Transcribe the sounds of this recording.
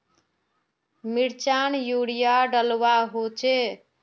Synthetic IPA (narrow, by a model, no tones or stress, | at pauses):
miɽt͡ʃanjuɽijaɖəlwaɦot͡ʃʰe